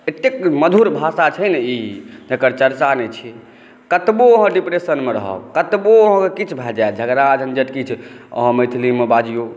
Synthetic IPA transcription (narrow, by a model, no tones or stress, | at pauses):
et̪ːekməd̪ʱuɾbʱasat͡ʃʰəjnɛid͡ʒəkəɾt͡ʃəɾt͡ʃanet͡ʃʰi | kət̪boəɦə̃ɖipɾesənmeɾə̰ɦə̰bkət̪boəɦə̃kekit͡ʃʰbʱɛld͡ʒaed͡ʒʱəɡɾad͡ʒʱənd͡ʒət̪kit͡ʃʰə̰ɦə̃məjt̪ʰlimebad͡ʒijo